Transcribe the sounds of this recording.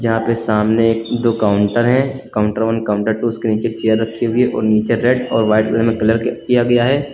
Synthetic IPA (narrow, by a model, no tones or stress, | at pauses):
d͡ʒɐɦãpesaːmneːk̚d̪oːkaːʊɳʈəɾɦɛ̃kaːʊ̃ɳʈəɾʋənkaːʊ̃ɳʈəɾʈuʊskeniːt͡ʃet͡ʃejəɾːɐkʰːeɦʊeʔɔ̰ːɾniːt͡ʃeɾeɖɔːɾʋaːɪʈkɐləmẽkɐləɾkijaɡɐjaɦɛː